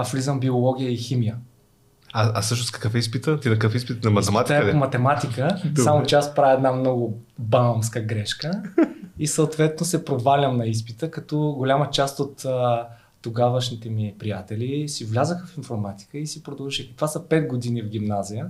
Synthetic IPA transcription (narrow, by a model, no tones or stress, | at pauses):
afvlizəmbiolˠɔɡ̟ʲijəiximijə | aasɤʃnoskɐ̥kəfɛispit̪ət̪inɐkəfispit̪nɐmɐt̪ɛmat̪iaɛpomɐt̪ɛmat̪ikəsamot͡ʃɛaspɾaviɛd̪namnɔɡʊbamskəɡɾɛʃkəisəot̪vɛt̪nosɛpɾovalʲɐmnɐis̬pit̪əkɐt̪ɔɡolʲamət͡ʃast̪ot̪ː | oɡavəʃnit̪ɛmipɾijat̪ɛlisivlʲazəxəfinfoɾmat̪i̥kəisipɾod̪əlˠʒiʃɛkək̪vasəpɛt̪ɡod̪inivɡ̟ʲimnazijə